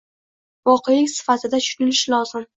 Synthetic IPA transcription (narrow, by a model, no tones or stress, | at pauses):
vɒqʰej̪ɪŋʲsɪ̥fat̪ʰɪd̪at͡ʃʰʊ̥nɪlɪʃlɒzɪm